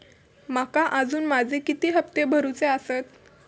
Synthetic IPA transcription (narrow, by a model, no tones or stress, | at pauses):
makaʔəd͡zuːnmad͡zʱekit̪iːɦəp̚t̪ebʱəɾut͡seəsət̪